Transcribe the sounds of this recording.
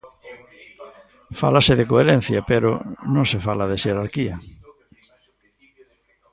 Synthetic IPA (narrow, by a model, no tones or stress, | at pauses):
fa̰lasɪðekoeɾen̟θjɐpeɾʊ̰nõŋsefalaðeʃeɾaɾkiɐ